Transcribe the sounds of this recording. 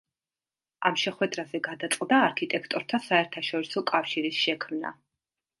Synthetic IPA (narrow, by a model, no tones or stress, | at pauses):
amʃɛχwɛd̪ɾazɛɡad̪at̪sʼqʼd̪aːɾkʰit̪ʼɛkʰt̪ʼɔɾt̪ʰasaɛɾt̪ʰaʃɔɾisɔkʼafʃiɾisʃɛkʰmna̰